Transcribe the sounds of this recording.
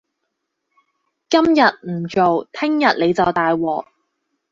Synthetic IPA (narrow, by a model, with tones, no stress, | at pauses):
kɐ˥mjɐ˨t̚m̩˨˩t͡ʃo˨wt̪ʰɪ˥ŋjɐ˨t̚le˨˧jt͡sɐ˨wt̪aː˨jwɔː˨˩k̚